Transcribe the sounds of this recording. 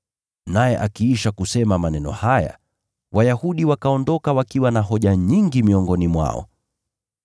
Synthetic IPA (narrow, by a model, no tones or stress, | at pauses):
najɛʔakiːʃakusɛmamanɛnɔ̰haja̰ | wajahuɗiwakaɔndɔkawakiwanaɦɔʄaɲiŋɡimiɔŋɡɔnimwa̰ɔ̰